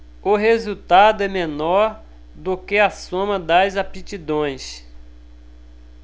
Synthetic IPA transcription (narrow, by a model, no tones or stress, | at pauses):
ʊɦezut̪ad̪ʊɛmenɔɾ | d̪okɪasõmɐd̪ɐzapit͡ʃid̪õj̃s